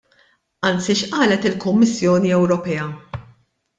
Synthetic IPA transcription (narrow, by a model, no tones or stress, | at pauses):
ɐnt͡siʃʔɐːlɛt̪ɪlkʊmːɪsːjɔːniɛwɾɔpɛjɐ